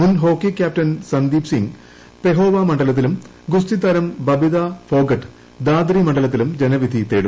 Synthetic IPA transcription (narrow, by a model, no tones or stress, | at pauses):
munɦo̞ːkːikʲːaːp̚tɐnsɐnd̪iːpsiŋɡ | pe̞ɦo̞ːʋamɐɳɖɐlɐt̪̬ːilum | ɡust̪it̪ɐɾɐmbɐbid̪afo̞ːɡɐʈː | d̪aːd̪rimɐɳɖɐlɐt̪̬ːilumd͡ʑe̞nɐʋid̪ʱit̪eːɽu